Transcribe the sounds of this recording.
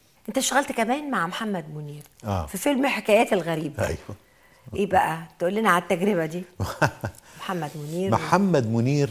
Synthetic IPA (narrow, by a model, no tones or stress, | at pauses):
ʔent̪æʃæɣælt̪kæmæːnmaʕmħamːæd̪moniːɾʔæ̰ːfifelmħekæːjæːt̪elɣæɾiːbæʔæ̰jwæ | ʔeːbæʔæt̪ʔolːinæʕalæt̪ːæɡɾeβæd̪iː | mħamːæd̪moniːɾmħamːæd̪mʊniːɾ